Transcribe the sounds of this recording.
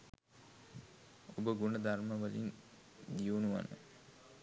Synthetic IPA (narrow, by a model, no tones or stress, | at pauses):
obəɡunəd̪arməʋəlḭn | d̪ijunuʋa̰nə̰